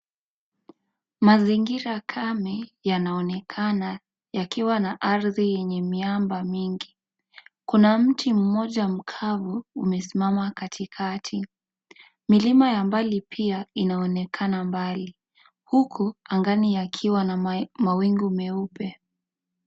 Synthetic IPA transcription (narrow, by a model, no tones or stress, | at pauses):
maziŋɡiɾakʰamɛjanaɔnɛkʰana | jakiwanaʔaɾðijɛɲɛmiambamiŋɡi | kunam̩tim̩mɔʄam̩kʰavuːmɛsimamakatʰikʰatʰi | milimajambalipʰiainaɔnɛkʰanambali | hukʰuaŋɡanijakʰiwanamawiŋɡumɛupɛ